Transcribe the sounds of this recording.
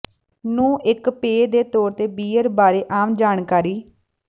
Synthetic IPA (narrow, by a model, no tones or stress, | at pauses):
nũːʔɪkpeːd̪eːt̪oːɾt̪eːbiːəɾbaːɾeːʔaːmd͡ʒaːnkaːɾiː